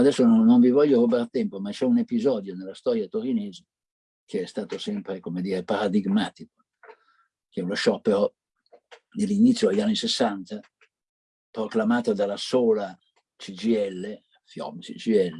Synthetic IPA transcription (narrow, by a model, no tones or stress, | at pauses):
ad̪ɛsːononːoɱvivɔʎːoɾobart̪ɛmpomat͡ʃɛunepizɔːd̪jonelːast̪ɔːɾjat̪oɾineːze | k̟eɛst̪aːt̪osɛmpɾekomed̪iːɾepaɾad̪iɡmaːt̪iko̥ | k̟ɛuloʃɔpːeɾo | d̪elːinit̪sːjod̪eʎːanːisesːant̪a | pɾoklamaːt̪od̪alːasoːla | t͡ʃid͡ʒiɛlːe | fjɔ̰mt͡ʃḭt͡ʃiɛlːe